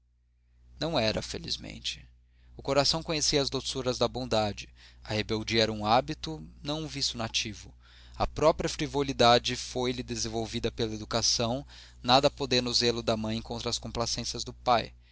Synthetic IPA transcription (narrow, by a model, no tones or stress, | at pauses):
nɐ̃w̃ɛɾɐfelḭzmḛ̃nt͡ʃɪ̥ | ʊkoɾasɐ̃w̃kõɲesiɐzd̪osuɾɐzd̪ɐbõd̪ad͡ʒɪɐhebewd͡ʒiɐɛɾɐũabit̪ʊnɐ̃w̃ũvisʊnat͡ʃivʊ | ɐpɾɔpɾiɐfɾivolid̪ad͡ʒɪfojlɪd̪ezẽvowvid̪ɐpelɐed̪ukasɐ̃w̃ | nad̪ɐpod̪ẽnʊzelʊd̪ɐmɐ̃j̃kõt̪ɾɐːskõmplasẽsjɐzd̪ʊpaj